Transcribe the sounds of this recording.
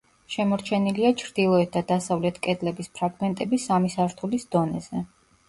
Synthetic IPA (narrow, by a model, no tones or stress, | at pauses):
ʃɛmɔɾt͡ʃʰɛniliat͡ʃʰɾd̪̥ilˠɔɛt̪̚d̪ad̪asavlɛt̪ʰkʼɛd̪lɛbispʰɾaɡmɛnt̪ʼɛbisamisaɾt̪ʰulisd̪̥ɔnɛz̥ɛ